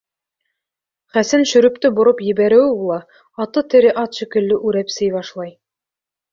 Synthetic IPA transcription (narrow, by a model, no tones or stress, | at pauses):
χæsɘnʃɵ̆ɾɵ̆pt̪ɘboɾopjɘ̆βæɾɘ̆wbulˠɑ | ɑt̪ɤt̪ɘ̆ɾɘʔɑt̪ʃĭkɘ̆lːɘʔʉɾæpsɘjβɑʃlˠɑj